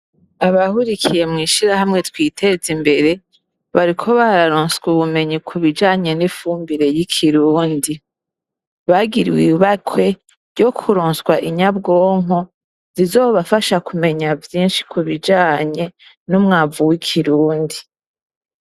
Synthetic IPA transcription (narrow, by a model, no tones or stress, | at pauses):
aβahuɾikʰije̞mŋiːʃiɾahamŋe̞twiːtʰe̞zimbe̞ɾe̞ | βaɾikʰo̞βaɾaɾoːnsɡuβume̞ɲikʰuβid͡ʒaːɲe̞nifuːmbiɾe̞jikʰiɾuːndi | βaɡiɾwiβatwe̞ | ɾɟo̞kʰuɾoːnswaʔiɲabɡo̞ːŋo̞ | z̥izo̞ːβafaʃakume̞ɲavjiːnʃi̥kʰuβid͡ʒaːɲe̞ | numŋaːvuwikʰiɾuːndi